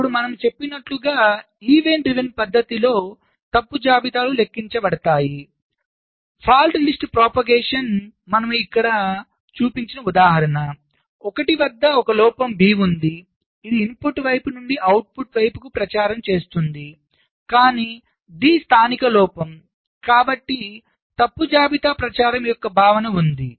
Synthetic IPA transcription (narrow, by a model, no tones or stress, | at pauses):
puɽumɐnɐmt͡ʃe̞pːinɐʈluɡaː | iːʋe̞ɳʈɾiʋinpɐd̪ʱːɐt̪ilo̞ː | t̪ɐpːud͡ʒaːbit̪aːlule̞kːiɲt͡ʃɐbɐɽɐt̪aːji | pʰaːlɖlisʈpɾɔːpɐɡeːʂɐn | mɐnɐmuikːɐɽɐ | t͡ʃuːpiɲt͡ʃinɐud̪aːɦɐɾɐnɐ | ɔkɐʈiʋɐd̪ːɐɔkɐlɔːpɐmbiːund̪i | id̪iːmpuʈʋɐjpunuɳɖiʔɐwʈ̚puʈʋɐjpukupɾɐt͡ʃaːɾɐmt͡ʃe̞ːst̪und̪i | kaːniː | d̪iːst̪ʰaːnikɐlɔːpɐm | kaːbɐʈːi | t̪ɐpːud͡ʒaːbit̪apɾɐt͡ʃaːɾɐmjɔkːɐbʱaːʋɐnɐund̪i